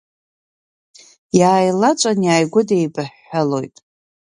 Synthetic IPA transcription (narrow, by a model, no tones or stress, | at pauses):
jaːjlat͡ʃʷʼanjaːjɡʷʊdejbaħːalo̞jtʼ